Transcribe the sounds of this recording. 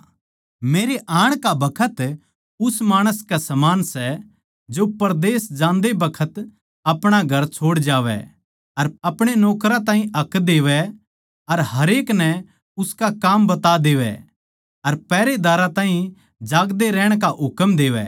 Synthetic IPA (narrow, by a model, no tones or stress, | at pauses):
meːɾeʔaːɽ̃kabɐkʰət̪ | ʊsmaːɽ̃əskasɐmaːnsɛ | d͡ʒopɐɾd̪eːsd͡ʒãːnd̪ebɐkʰət̪ | ɐpɽ̃aɡʱɐɾt͡ʃʰoːɽd͡ʒaːʋɛ̰ | ɐɾɐpɽ̃enɔːkɾãt̪ãːɦĩʔɐkd̪eːʋɛ | ɐɾɦɐɾeːknɛ | ʊskakaːmbɐt̪ad̪eːʋɛ̰ | ɐɾpɛːɾed̪aːɾat̪ãːɦĩ | d͡ʒaːɡd̪eɾɛːɽ̃k̬aɦʊkəmd̪eːʋɛ̰